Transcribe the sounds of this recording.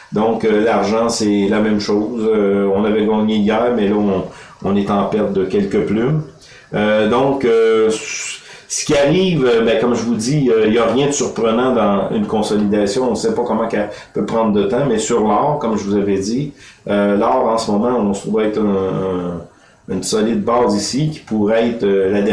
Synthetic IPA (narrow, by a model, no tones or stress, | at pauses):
d̪ɔ̃kølaʁʒɑ̃sɛlamɛ̃mʃoːzøɔ̃navɛɡɑːɲeijɛːʁmɛlɔɔ̃ | ɔ̃nɛt̪ɑ̃pɛʁt̪̚d̪əkʲɛlkəplym | ød̪ɔ̃køs | sə̥kʲiaʁiːvøbɛ̃kɔmʒəvud̪iøiljaʁjɛ̃d̪əsyʁpʁənɑ̃d̪ɑ̃ynkɔ̃sɔlid̪asjɔ̃ɔ̃sɛpɔkɔmɑ̃ka | pøpʁɑ̃d̪ʁd̪ət̪ɑ̃mɛsyʁlɑːʁkɔmʒəvuzavɛd̪iølɑːʁɑ̃səmɔmɑ̃ɔ̃sə̥t̪ʁuvɛt̪ɛ̃ | ynsɔlɪd̪̚bɑzisikʲi̥puʁɛɛt̪χølad̪ɛ